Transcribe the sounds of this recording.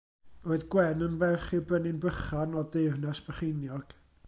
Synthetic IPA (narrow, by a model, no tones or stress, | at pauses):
roɨðɡwɛnənvɛχɪbrənɪnbəχanɔdernɛsb̥əχɪnjɔɡ̥